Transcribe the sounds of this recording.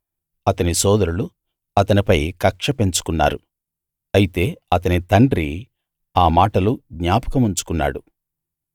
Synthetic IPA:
ɐt̪ɐnisɔːd̪ɐɾulu | ɐt̪ɐnipɐjkɐkʂɐpe̞ɲt͡ʃu̥kunːa̰ːɾu | ɐjit̪e̞ːɐt̪ɐnit̪ɐɳɖɾi | aːmaːʈɐluɡɲaːpɐ̥kɐmuɲt͡ʃu̥kunːa̰ːɽu

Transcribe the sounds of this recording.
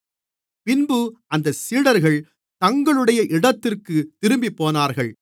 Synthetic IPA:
pɪnbɯɐnd̪ɐsiːɽɐɾɣɐɭ | t̪ɐŋɡɐɭɯɽɐjɐʔɪɽɐt̪ːɪrkɯt̪ɪɾɯmbipːoːnaːɾɣɐɭ

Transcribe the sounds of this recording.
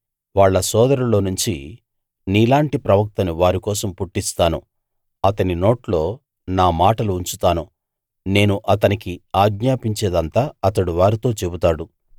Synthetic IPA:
ʋaːɭːɐsɔːd̪ɐɾulo̞ːnuɲt͡ʃi | niːlaːɳʈipɾɐʋɐk̚t̪ɐnuʋaːɾikɔːsɐmpuʈːist̪aːnṵ | ɐt̪ɐnino̞ːʈlo̞ː | naːmaːʈɐluːɲt͡ʃut̪aːnu | ne̞ːnuʔɐt̪ɐnikiaːɡɲaːpiɲt͡ʃɛːd̪ɐnt̪aːɐt̪ɐɽuʋaːɾit̪o̞ːt͡ʃe̞but̪aːɽu

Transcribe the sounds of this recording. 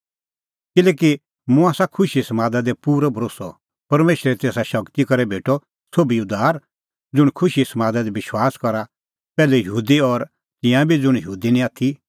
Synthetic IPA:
kɪlɛːki | mʊ̃aːsakʰʊʃisɐmaːd̪ad̪ɛpuːɾɔbʱɾoːsɔ | pɐɾmeːʃɾɛt̪eːsaʃɐkt̪ikɔɾɛbʱeːʈɔ | sobiʊd̪ʱaːɾ | d͡zʊɽ̃kʰʊʃisɐmaːd̪ad̪ebɪʃwaːskɔɾa | pɛːlɛjəɦuːd̪iɔɾ | t̪ɪ̃jãbʱid͡zʊɽ̃jəɦuːd̪inĩaːt̪ʰi

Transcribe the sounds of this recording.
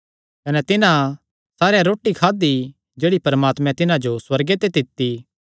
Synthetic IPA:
kɐnɛt̪ɪnã | saːɾjaɾoːʈːikʰaːd̪i | d͡ʒeːɽipɐɾəmaːt̪mɛ̃t̪ɪnãd͡ʒoswɐɾɡet̪et̪ɪt̪ːi

